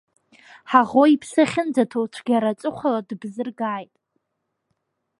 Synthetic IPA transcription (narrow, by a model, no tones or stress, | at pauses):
ħaʁoipʰsaχʲɪnd͡zatʰowt͡ʃʷʰɡʲaɾat͡ʃʷʼɨqʷaladbzɨrɡaːjtʼ